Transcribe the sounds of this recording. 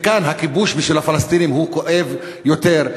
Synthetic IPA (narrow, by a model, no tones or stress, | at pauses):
kanɦakibuʃbiʃvilhafalast̪inimɦuko̞ʔe̞v | jot̪e̞ʁ